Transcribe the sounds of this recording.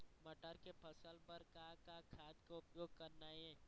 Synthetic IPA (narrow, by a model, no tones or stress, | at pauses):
mɐʈəɾkepʰəsəlpəɾkakakʰaːd̪koʊpjoːɡ̚kəɾnaːiɦɛ̃ː